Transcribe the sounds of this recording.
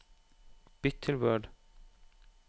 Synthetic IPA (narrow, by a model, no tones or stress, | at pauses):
b̥ɪt̪ʰːɪlwœːɖ